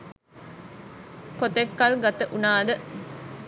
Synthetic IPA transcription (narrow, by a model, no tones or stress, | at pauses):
kot̪ekːɐlɡat̪əʔunaːd̪ə